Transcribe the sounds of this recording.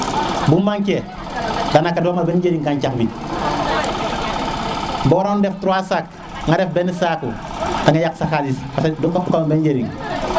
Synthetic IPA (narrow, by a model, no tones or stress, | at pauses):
bumbaŋke | danakːadoːmabenɟeɾiŋkaɲt͡ʃakbit | bɔɾondeftuɾuasak̚ | ŋadefbenisaku | aŋajaksakadisfasedokːapukamabenɟeɾḭŋ